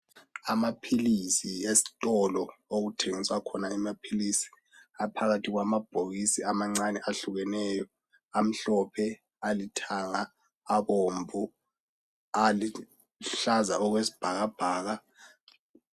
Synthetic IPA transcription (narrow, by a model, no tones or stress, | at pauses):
amapʰilisiesi̥tʼɔlɔoɣutʰeŋiswakʰɔnaimapʰilisi̥ | apʰaɣatʰiɣwamab̥ʱoɣisiamaŋ͡ǀanɛʔaɬuɣɛnɛːjɔ | am̩ɬɔpʰɛ | alitʰaŋaː | βombʱu | ali | ɬazaʔɔɣwesi̥b̥ʱaɣab̥ʱaːɣa